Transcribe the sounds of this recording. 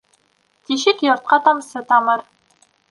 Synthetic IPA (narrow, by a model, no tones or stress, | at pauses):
t̪ʲiɕɘkjŏrt̪̚qɑt̪ɑmsɤ̆t̪ɑmɤ̆r